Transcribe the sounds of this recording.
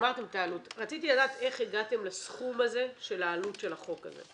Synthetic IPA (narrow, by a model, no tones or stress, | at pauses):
maʁte̞mtaːlutʁat͡sitiladaːt̪e̞χeɡate̞mlasχumaze̞ʃe̞laːlutʃe̞lhaχo̞ka̰zḛ